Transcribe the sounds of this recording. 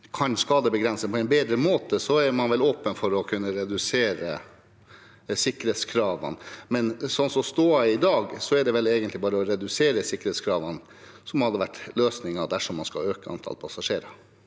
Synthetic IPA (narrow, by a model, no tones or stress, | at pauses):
kʰɑnskɑːd̪əbəɡɾɛnsəpʰɔɛɪnbeːd̪ɾəmoːt̪əsɔæɾmɑnʋɛloːpənfɔɾɔkʰʉnːəɾɛd̪ʉseːɾə | sɪkːɾeːt̪skʰɾɑːʋɑ̰nmɛnsɔnsɔmst̪oːɑɪd̪ɑːɡsɔɛɖɛʋɛleːɡənt̪lɪbɑːɾəɔɾɛd̪ʉseːɾəsɪkːɾeːt̪skʰɾɑːʋɑn | sɔmhɑd̪ːəʋæʈːløːsnɪŋɑd̪æʂɔmːɑnskɑ̰øːkəɑ̰nt̪ʰɑ̰lpʰɑsɑʂeːɾɑ